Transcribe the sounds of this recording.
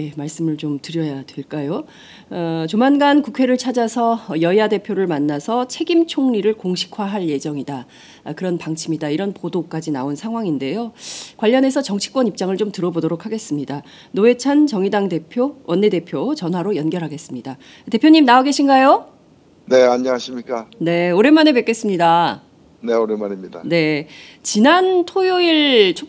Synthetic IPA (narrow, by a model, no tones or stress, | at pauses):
je̞maɭs͈ɯmɯɭt͡ɕomtɯɾjʌjadweɭk͈ajo | ʌt͡ɕomanɡankukʰwe̞ɾɯɭt͡ɕʰad͡ʑasʰʌjʌiade̞pʰjoɾɯɭmanːasʰʌt͡ɕʰe̞ɡimt͡ɕʰoŋɲiɾɯɭkoŋɕʰi̥kʰwaɦaɭje̞d͡ʑʌŋida | kɯɾʌnpaŋt͡ɕʰimidaiɾʌnpodok͈ad͡ʑinaonsʰaŋɦwaŋinde̞jokwaʎːʌne̞sʰʌt͡ɕʌŋt͡ɕʰi̥k͈wʌnip̚t͡ɕ͈aŋɯɭt͡ɕomtɯɾʌbodoɾokʰaɡe̞s͈ɯmɲida | noe̞t͡ɕʰant͡ɕʌŋidaŋde̞pʰjowʔʌnːe̞de̞pʰjot͡ɕʌnɦwaɾojʌnɡjʌɾɦaɡe̞s͈ɯmɲida | te̞pʰjoɲimnaoɡe̞ɕʰinɡajo | ne̞aɲʌŋaɕʰimɲik͈ane̞oɾe̞maneme̞k͈e̞s͈ɯmɲida | neoɾemanemɲida̰ne̞ | t͡ɕinantʰojoiɭt͡ɕʰo